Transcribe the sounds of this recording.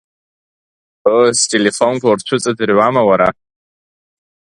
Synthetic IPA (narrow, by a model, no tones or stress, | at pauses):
əstʼelefonɡʷort͡ʃʷʰʊt͡sʼadɨrɥamawaɾa